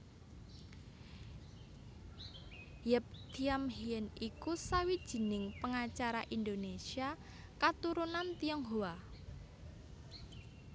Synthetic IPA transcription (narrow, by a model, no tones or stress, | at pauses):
jəp̚t̪iamɦiənʔikusawid̥ʒ̥i̤nɪŋpəŋat͡ʃaɾa̰ʔind̪onesia | kat̪uɾunant̪iəŋɦoa